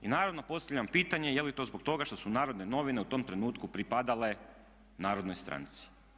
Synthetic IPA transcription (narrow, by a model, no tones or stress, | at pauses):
inaːɾaʋno̞po̞st̪aʋʎampiːt̪aɲe̞jelit̪o̞zbo̞k̚t̪o̞ɡaʃt̪o̞sunaːɾod̪ne̞no̞ʋineut̪o̞mt̪ɾe̞nuːt̪kupɾipad̪ale̞ | naːɾo̞d̪nojst̪ɾa̰nt̪si̥